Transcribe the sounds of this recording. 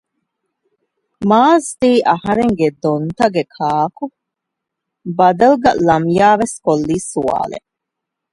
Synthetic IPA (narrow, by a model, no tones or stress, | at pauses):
maːzd̪iːʔɐhɐɾeŋɡed̪ont̪ɐɡekʰaːku | bɐd̪ɐlɡɐlɐmjaːʋeskolːiːsua̰ːlḛ